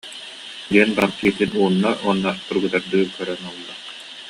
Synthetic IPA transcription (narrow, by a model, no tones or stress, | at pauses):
d̪iɛnbant̪iːt̪inuːnːaʔunːast̪uɾɡɯt̪aɾd̪ɯːkœɾɛnulˠːa